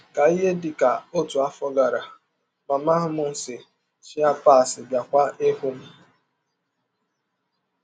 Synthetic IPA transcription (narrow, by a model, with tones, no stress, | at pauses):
ka˨i˦ɦe˦dɪ˨ka˨o˦tu˨a˦fɔ˦ɡa˨ɾa˨ | ma˨ma˦ɦʊ˦mʊ˦n̩˦sɪ˨ | t͡ʃi˦a˦paː˦˨sɪ˨bja˨kʷa˦ʔe˦hu˦m̩˦